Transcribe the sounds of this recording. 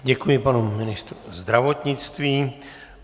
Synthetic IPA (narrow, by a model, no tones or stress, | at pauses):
ɟɛkujɪpanumɪnɪst̪ɾuzd̪ɾavo̞t̪ɲɪt͡st̪viː